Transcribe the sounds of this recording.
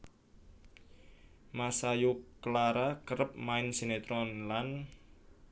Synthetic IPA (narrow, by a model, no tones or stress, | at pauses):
masajuklaɾakəɾəp̚maɪnsenet̪ɾɔnlan